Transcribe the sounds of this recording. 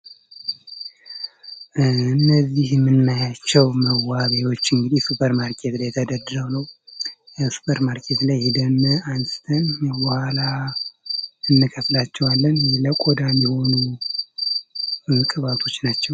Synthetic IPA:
ɨɨnːəzːihɛmːɨnːajat͡ʃːɛwməwaβewo̞t͡ʃːɨŋɡɨd̪ihsupʰəɾmaɾkʰe̞t̪lajɛt̪ʰəd̪əd̪ɨɾəwnəw | su̥pʰəɾmaɾkʰe̞t̪lajhid̪ənansʼɨt̪ʰənbəhala | ɨnːɨkʰəflat͡ʃːɛwalːənləkʼod̪amiho̞nu | kʼɨβat̪ʰo̞t͡ʃːnat͡ʃːɛw

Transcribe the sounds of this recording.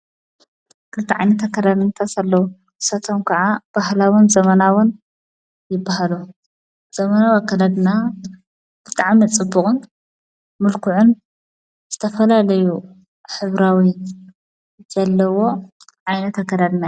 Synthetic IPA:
kʰɨlt̪ʰːiʕa̰jnɐt̪akːɐd̪ad̪ɨnt̪ʰɐsalːɐwu | ʔɨsat̪ʰomkʰɐʕab̥ahlawʊnzɐmɐnawʊn | jɪbːahalu | z̥ɐmɐnawakːad̪ad̪na | b̥ɨt̪ʼaʕmit͡sʼɨbːʊχʼɨn | mɨlkʰuʕʊn | z̥ɨt̪ʰɐfɐlalɐju | ħɨβɾawi | zɐlːɐwo̞ | ʕajnɐt̪akːad̪ad̪na

